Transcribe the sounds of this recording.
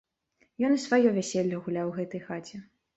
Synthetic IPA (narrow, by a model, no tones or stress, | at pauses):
jɔnisvajɔvʲɛsʲɛlʲːɔɣulʲawɣɛt̪ɐjxat͡sʲɛ